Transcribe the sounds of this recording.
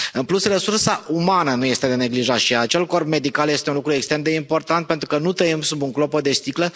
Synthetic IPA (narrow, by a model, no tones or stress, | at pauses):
ɨnplusresursaʔumanənuje̞st̪e̞d̪e̞ne̞ɡliʒat̪ʃiat͡ʃe̞lko̞rbme̞d̪ikalje̞st̪eunlukɾuekst̪ɾemd̪e̞impo̞rt̪ant̪̚pe̞nt̪ɾukənut̪əimsubuŋklo̞pəd̪e̞st̪iklə